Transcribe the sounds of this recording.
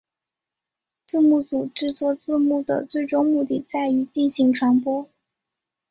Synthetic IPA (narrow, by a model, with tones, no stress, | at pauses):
t͡sɹ̩˥˧mu˥˩t͡su˨˩ʈ͡ʂɻ̩˥˧t͡swɔ˥˧t͡sɹ̩˥˧mu˥˩d̪ə̰˩t͡swe˥˩ɪʈ͡ʂʊ˥ŋmu˥˧t̪i˥˩t͡sa˥˩ɪy˧˥t͡ɕi˥˩nɕi˧˥ŋʈ͡ʂʰwa˧˥npwɔ˥